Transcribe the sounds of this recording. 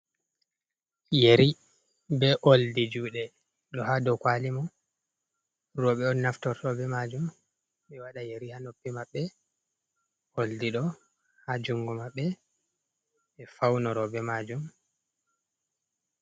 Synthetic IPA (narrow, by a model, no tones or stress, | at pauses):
jeɾi | bɛʔoldid͡ʒuːɗɛ | ɗɔhadɔkwalimɔ | ɾɔɓɛɔnːaftɔɾtɔbɛmad͡ʒum | ɓɛwaɗajeɾihanopːimaɓːɛ | oldiɗɔ | had͡ʒuŋɡɔmaɓːɛ | ɛfawnɔɾɔbɛmad͡ʒum